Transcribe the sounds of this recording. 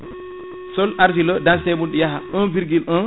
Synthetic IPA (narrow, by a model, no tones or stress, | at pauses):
sɔlʔaɾfilɔdansɛmunɗijaɦaʔɔnbiɾɡilʔɔn